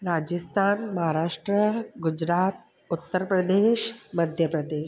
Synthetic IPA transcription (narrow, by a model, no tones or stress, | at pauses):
ɾaːd͡ʒəst̪ʰaːnmɐɦaɾaːʂʈɾəɡud͡ʒɾaːt̪̚ | ʊt̪ːəɾpɾɐd̪eːʃmɐd̪ʱjɐpɾɐd̪eːʃ